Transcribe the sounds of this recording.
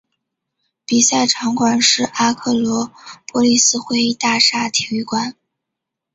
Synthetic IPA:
pi˨˩sa˥˩ɪʈ͡ʂʰɑ˧˥ŋkwa˨˩nʂɻ̩˥˩ʔa˥kʰɤ˥˩lwɔ˧˥pwɔ˥li˥˧sɹ̩˥xwe˥˧ɪi˥˧t̪a˥˧ʂa˥˩t̪ʰji˧˥y˥˩kwa˨˩˦n

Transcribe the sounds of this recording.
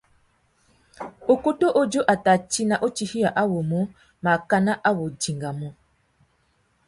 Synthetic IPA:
o˨ko˦to˦ʔo˦d͡ʒo˦ʔa˨ta˨t͡ʃi˦na˨ʔo˦t͡ʃi˨hi˦a˨ʔa˦wo˨mo˦ | ma˨ka˦na˦ʔa˦wo˨d͡ʒi˨ŋɡa˨mɔ˦

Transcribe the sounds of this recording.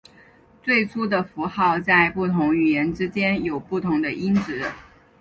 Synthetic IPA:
t͡swe˥˩ɪt͡sʰu˥d̪ə˨fu˧˥xɑ˥˧ʊt͡sa˥˧ɪpu˥˩t̪ʰʊ˧˥ŋy˨˩jɛ˧˥nʈ͡ʂɻ̩˥t͡ɕjɛ˥njo˨˩ʊpu˥˩t̪ʰʊ˧˥ŋd̪ə˧ʔi˥nʈ͡ʂɻ̩˧˥

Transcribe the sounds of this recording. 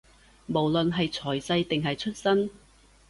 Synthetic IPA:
mo˨˩wlɵ˨nɦɐ˨jt͡ʃʰɔː˨˩jsɐ˧jt̪ɪ˨ŋɦɐ˨jt͡ʃʰɵ˥t̚sɐ˥n

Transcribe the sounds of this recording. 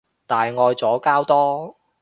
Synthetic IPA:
t̪aː˨jŋɔː˧jt͡sɔː˨˥kaː˥wt̪ɔː˥

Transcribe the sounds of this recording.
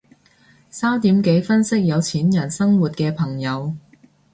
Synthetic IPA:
saː˥wt̪iː˨˥mke˨˥jfɐ˥nsɪ˥k̚jɐ˨˧wt͡sʰiː˨˥njɐ˨˩nsɐ˥ŋwuː˨˩t̚kɛː˧pʰɐ˨˩ŋjɐ˨˧w

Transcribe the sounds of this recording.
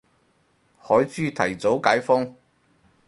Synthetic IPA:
hɔː˨˥jt͡syː˥t̪ʰɐ˨˩jt͡so˨˥wkaː˨˥jfɔ˥ŋ

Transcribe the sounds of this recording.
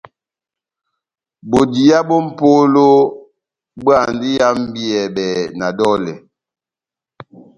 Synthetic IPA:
bo˨di˨ja˦bɔ˦m̩˦˨po˦lo˦ | bɰa˦˨ndi˦ja˦m˦bi˦ɛ˨bɛ˨na˨dɔ˦lɛ˨

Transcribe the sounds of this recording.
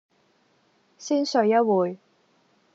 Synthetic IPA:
siː˥nsɵ˨˧ɥjɐ˥t̚wuː˨˩j

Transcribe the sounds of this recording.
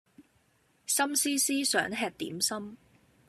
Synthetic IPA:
sɐ˥msiː˥siː˥sœː˨˥ŋɦɛː˧k̚t̪ḭː˨˥msɐ˥m

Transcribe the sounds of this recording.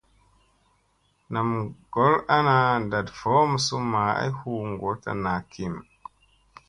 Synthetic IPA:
na˨mɡ̥o˨˦la˦na˨da˨dfo˦m˨su˦ma˨a̰˦jhu˦˨ŋɡo˨˦ta̰˨na˨kʰi˦˨m

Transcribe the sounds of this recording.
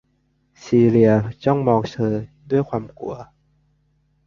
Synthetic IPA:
siː˧ɾi˧ɐt͡ɕɔ˥˩ŋmɔː˧ŋt͡ɕʰɤː˧du˥˩əjkʰwaː˧mkṵ˧˩ɐ

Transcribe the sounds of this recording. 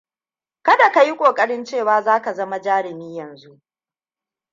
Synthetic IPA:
kɐ˦da˨ka˨ji˦kʷʼoː˨kʼɐ˦ɽɪ˦nt͡ʃeː˦˨waː˦zaː˦ka˨zɐ˦ma˨d͡ʒaː˦ɽɪ˨miː˦jɐ˨nzu˦ʔ

